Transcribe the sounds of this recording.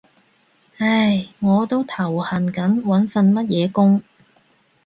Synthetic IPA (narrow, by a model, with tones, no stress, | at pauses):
hɐ˥jŋɔː˨˧t̪o˥wt̪ʰɐ˨˩whɐ˨˩nkɐ˨˥nwɐ˨˥nfɐ˧nmɐ˥t̚jɛː˨˧kʊ˥ŋ